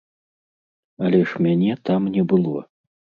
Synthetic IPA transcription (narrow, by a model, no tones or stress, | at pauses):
ɐlʲɛʂmʲanʲɛt̪amnʲɛbɨlˠɔ